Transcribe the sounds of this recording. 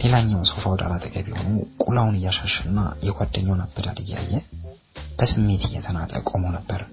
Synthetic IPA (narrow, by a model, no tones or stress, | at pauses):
le̞laɲːawso̞fawd̪a̰lat̪ʼəɡʼəβiho̞̰nəwkʼulawʊnɨjːaʃaʃɨnːa̰jɛɡʷad̪ːəɲːawnəbːəɾa̰lɨjːa̰jːɛ | b̥əsɨmːe̞t̪ʰɨjːɛt̪ʰənat̪ʼə̰kʼomənəbːəɾ